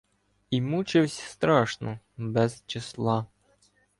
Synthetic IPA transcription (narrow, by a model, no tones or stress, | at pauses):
imut͡ʃɪwsʲst̪ɾɑʃnɔ | bɛz̥t͡ʃɪslˠɑ